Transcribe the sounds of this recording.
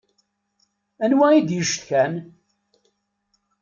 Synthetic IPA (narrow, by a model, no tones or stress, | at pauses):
ænwæid̪jəʃt̪kæn